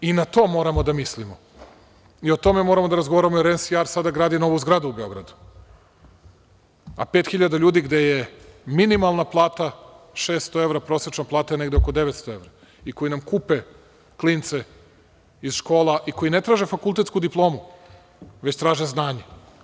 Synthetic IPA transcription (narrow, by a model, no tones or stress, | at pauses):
inat̪o̞mo̞ːɾamod̪amislimo | io̞t̪o̞memoɾamo̞d̪aɾazɡoaɾamoɾensiaɾsad̪aɡɾaːd̪ino̞ʋuzɡɾad̪uubeo̞ɡɾa̰d̪u̥ | a̰peːt̪xiʎad̪aʎuːd̪iɡd̪e̞jeminimalˠnaplˠaːt̪a | ʃeːst̪oeʋɾapɾo̞sɾet͡ʃnaplˠaːt̪ajene̞ɡd̪eokod̪e̞ʋet̪st̪o̞e̞ʋɾa | iko̞jinamkupe | klint̪se | izʃko̞ːlˠaʔiko̞jine̞t̪ɾaːʒe̞fakulˠt̪e̞t̪skud̪iplˠo̞ːmu | ʋe̞t͡ɕt̪ɾaːʒeznaːɲe